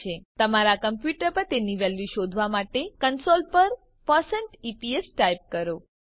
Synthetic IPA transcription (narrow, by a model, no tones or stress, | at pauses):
et̪əmaɾakəmpjuʈəɾpəɾt̪eniʋɛljuʃod̪ʱʋamaʈekənsolpəɾ | pəsəɳʈipiesʈajp̚kəɾo